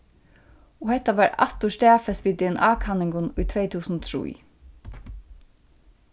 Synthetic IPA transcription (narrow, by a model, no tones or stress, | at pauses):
ɔhɛt̪ːaʋæɹɑ̰t̪ʊst̪æːfɛsʋiːd̪ɛːɛnʔɑːkʰɑnɪŋɡʊnʊjt̪ʰʋeɪt̪ʰuːsnɔt̪ʰɾṵː